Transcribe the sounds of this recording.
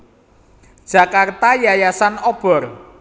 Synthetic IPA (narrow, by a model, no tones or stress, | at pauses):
d̥ʒ̥a̤kart̪ajajasanɔb̥ɔ̤r